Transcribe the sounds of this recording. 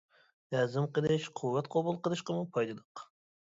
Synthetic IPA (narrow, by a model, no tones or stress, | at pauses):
jæzɨmqəlˠɨʃqʰuwːɛt̪qʰobulˠqəlˠɨʃqəmupʰɑjd̪ɨd̪ˠəq